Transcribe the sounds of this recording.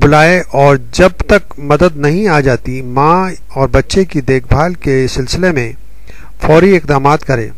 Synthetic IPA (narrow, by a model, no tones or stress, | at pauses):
bʊlaːeʔɔːɾd͡ʒɐb̚t̪ɐk | mɐd̪əd̪nɐɦĩaːd͡ʒaːt̪imãː | ɔːɾbɐtːʃekid̪eːkʰbʱaːlkesɪlsɪlemẽ | fɔːɾiɪqd̪aːmaːt̪kɐɾḛ̃ː